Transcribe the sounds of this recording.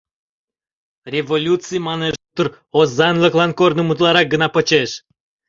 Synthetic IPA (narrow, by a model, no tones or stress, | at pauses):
rʲevolʲut̪t͡sɨjmɑneʒt̪ːəɾ | ozɑnlˠəklˠɑnkornomut̪lˠɑɾɑk̚ɡə̆nɑpə̆t͡ɕeʃ